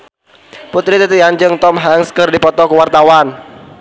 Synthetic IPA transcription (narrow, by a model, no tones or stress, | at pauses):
put̪ɾit̪ət̪iand͡ʒɨŋt̪ɔmɦaŋskərdipɔt̪ɔkəwart̪awan